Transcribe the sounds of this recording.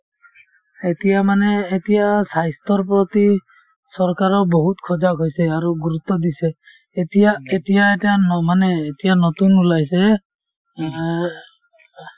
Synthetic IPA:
etijamanɛːtijasajstɔɹp̬ɹɔt̪i | sɔɹkaɹɔbɔɦutkʰɔd͡ʒakɦojsɛaɹuɡuɹut̪ːɔd̪isɛ | etijaetijaetanmanɛːtijanɔtunulajsɛ

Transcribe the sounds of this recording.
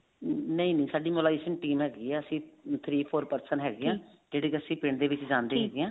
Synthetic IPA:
nəĩːnəĩːsaːɖiːmoːlaːeːʃənʈiːmɦɛːɡiːɛːəsĩːt̪ʰɾiːpʰoːɾpəɾsəɳɦɛːɡɪãːd͡ʒeːɽeːkiəsĩːpɪɳd̪eːʋɪt͡ʃd͡ʒãːnd̪eːɦɛːɡeãː

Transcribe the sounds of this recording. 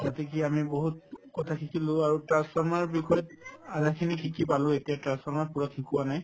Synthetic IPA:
zatɛk̬iamiboɦut̚kɔtʰakʰikʰilʊ̃aɹutɹãnsfɔɹmaɹbikʰɔjtadakʰinikʰikipalʊ̃etijatɹãnspɔɹmaɹpuɹakʰikuwanaj

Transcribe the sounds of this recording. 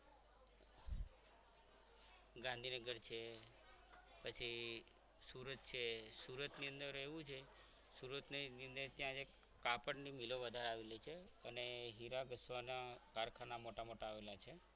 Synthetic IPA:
ɡãnd̪ʱinəɡəɾt͡ʃʰe | pət͡ʃʰi | suɾət̪̚t͡ʃʰesuɾət̪niənd̪əɾeʋũd͡ʒʰe | suɾət̪niniənd̪əɾt̪jãd͡ʒe | kapəɳnimiloʋəd̪ʱaɾaʋelet͡ʃʰe | əneɦiɾaɡəsʋanakaɾkʰanamoʈamoʈaːʋelat͡ʃʰe

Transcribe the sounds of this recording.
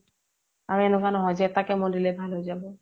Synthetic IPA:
aɹuɛnʊkanɔɦɔjzɛɛtakɛmɔndilɛbʱalɦojzabɔ

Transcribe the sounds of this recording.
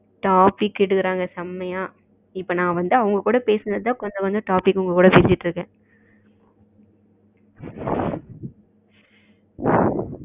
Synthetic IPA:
ʈaːpɪkːɪɽɯkːɪɾaːŋɡɐsɐmːɐjaː | ɪpːonãːʋɐnd̪ɯɐʋʊŋɡɐkuːɽɐpeːsɯnd̪ɐðt̪ãːkɔɲd͡ʒɔ̃ʋɐnd̪ɯʈaːpɪkːʊŋɡɐkuːɽɐpeːt͡ʃɪʈːɾɯkːɛ̃ː

